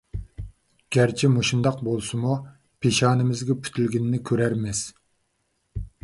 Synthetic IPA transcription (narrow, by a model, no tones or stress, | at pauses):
ɡ̥ʲæɾt͡ʃʰimuʃund̪ɑq̚bolˠsumu | pʰeʃɑːnɪmɪzɡʲɛpʰy̥t̪ʰylɡʲinɪnɪkʲʰøɾæɾmɪz̥